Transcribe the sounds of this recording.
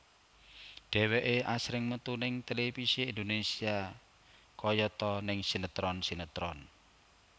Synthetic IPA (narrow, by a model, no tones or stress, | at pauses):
ɖ̪̥ɛ̤weʔeasɾɪŋmət̪unɪŋt̪elefisiːnd̪onesia | kɔjɔt̪ɔnɪŋsinət̪ɾɔnsinət̪ɾɔn